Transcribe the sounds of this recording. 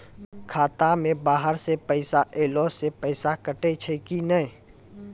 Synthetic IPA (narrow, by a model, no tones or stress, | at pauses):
kʰaːt̪amẽbaːɦəɾsepəɪsaʔeːloːsepəɪsakəʈet͡ʃʰekinəi